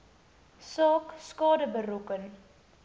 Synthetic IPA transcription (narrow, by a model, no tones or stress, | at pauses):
sɑːkskɑːdəbəɾukən